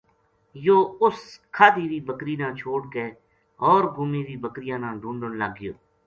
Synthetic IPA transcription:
joːʊskʰaːd̪iːʋiːbəkɾiːnãːt͡ʃʰoːʈɡeː | ɔːɾɡʊmiːʋiːbəkɾɪjãːnãːɖũːɳɖənləɡːɪjo̰ː

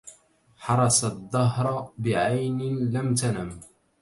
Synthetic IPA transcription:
ħɑɾˤɑsaðˤːɑɦɾˤbɪʕajnɪlamt̪anam

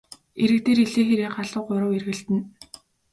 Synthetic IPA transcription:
eɾɘ̆kt̪eːɾeɮeːxeɾeːɢaɮʊːqʊɾə̆werɣɘ̆ɬt̪ɘ̆n

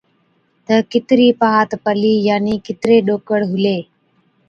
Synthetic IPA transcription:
t̪əkɪt̪ɾiːpaːt̪pəliːjaːniːkɪt̪ɾeːɗoːkəɽɦʊleː

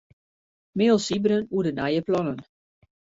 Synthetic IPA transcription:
mɪːlˠsibəɾənuədənajəplɔnən

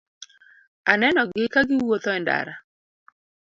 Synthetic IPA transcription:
anɛnɔɡɪkaɡɪwot̪ɔɛnda̰ɾa

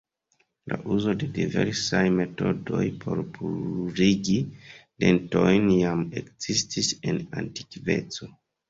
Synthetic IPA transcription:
laʔuzo̞de̞dive̞̰ɾsajme̞to̞do̞̰jpʰo̞ɾpuɾiɡide̞nto̞jnjame̞kz̥istise̞na̰nti̥kve̞̰t͡so̞

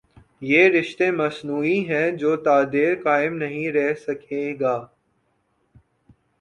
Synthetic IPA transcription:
jeːɾɪʃt̪emɐsnuːiɦɛ̃d͡ʒoːt̪aːd̪eːɾkaːɪmnɐɦĩɾɛɦsɐkʰeːɡaː

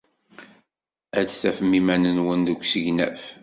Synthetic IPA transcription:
æt͡sθæfəmːimænənwənd̪ukʷsəʝnæ̰f

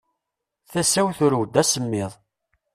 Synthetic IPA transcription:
θæsæwθʊɾuwd̪æsəmːɪðˤ

